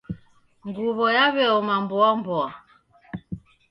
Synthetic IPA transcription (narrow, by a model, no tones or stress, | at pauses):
ŋɡuβɔjaβɛɔmambɔambɔa